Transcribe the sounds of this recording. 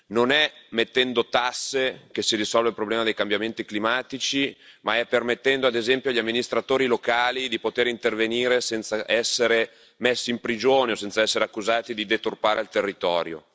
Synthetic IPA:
nonɛmet̪ːɛnd̪ot̪asːek̟esirisɔlvelpɾoblɛːmad̪ejkambjament̪iklimaːt̪it͡ʃimaɛpːermet̪ːɛnd̪oad̪ezɛmpjoaʎːamːinist̪ɾat̪oːɾilokaːlid̪ipot̪eːɾint̪erveniːɾesɛnt̪saʔɛsːeɾe | mesːiːmpɾid͡ʒoːneosɛnt̪saɛsːeɾeakːuzaːt̪id̪id̪et̪urpaːɾʔeilt̪erːit̪ɔːɾjo̰

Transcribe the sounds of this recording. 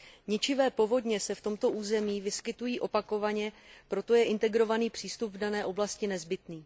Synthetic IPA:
ɲɪt͡ʃɪvɛːpo̞vo̞dɲɛsɛft̪o̞mt̪o̞ʔuːzɛmiːvɪskɪt̪ujiːʔo̞pako̞vaɲɛpɾo̞t̪o̞jɛʔɪnt̪ɛɡɾo̞vaniːpr̥iːst̪upvdanɛːʔo̞blascɪnɛzbɪt̪niː

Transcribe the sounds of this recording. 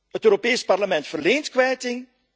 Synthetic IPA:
ətøːɾopeːsparləmɛntfərleːntkʋɛjtɪŋ

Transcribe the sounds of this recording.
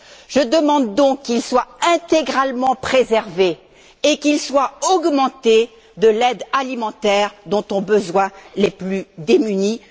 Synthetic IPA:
ʒ̥əd̪əmɑ̃d̪ːɔ̃kːilswaɛ̃t̪eɡʁalmɑ̃pχezɛʁve | ekilswaɔɡmɑ̃t̪e | d̪əlɛd̪alimɑ̃t̪ɛʁd̪ɔ̃t̪ɔ̃bəzwɛ̃leplyd̪emyni

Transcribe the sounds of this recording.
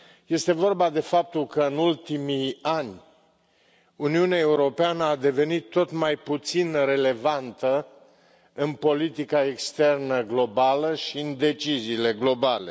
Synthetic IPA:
je̞st̪e̞vo̞rbad̪e̞fap̚t̪ulkəɨnult̪imianʲ | uniuneae̞uɾo̞peanəad̪e̞ve̞nit̪ːo̞t̪majput̪sinre̞le̞vant̪ə | ɨnpo̞lit̪ikae̞kst̪e̞rnəɡlo̞baləʃiɨnd̪e̞t͡ʃiziːle̞ɡlo̞bale̞̰

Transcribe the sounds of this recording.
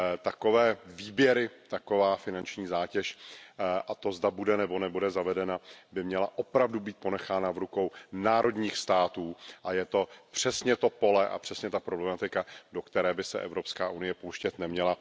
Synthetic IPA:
t̪ako̞vɛːviːbjɛɾɪt̪ako̞vaːfɪnant͡ʃɲiːzaːcɛʃ | ʔat̪o̞zdabudɛnɛbo̞nɛbudɛzavɛdɛnabɪmɲɛlaʔo̞pɾavdubiːt̪̚po̞nɛxaːnavɾuko̞wnaːɾʔo̞dɲiːxst̪aːt̪uːʔajɛt̪o̞pr̝̥ɛsɲɛt̪o̞po̞lɛʔa̰pr̝̥ɛsɲɛt̪apɾo̞blɛmat̪ɪkado̞kt̪ɛɾɛːbɪsɛ̰ʔɛ̰vɾo̞pskaːʔunɪjɛpowʃcɛt̪nɛmɲɛla

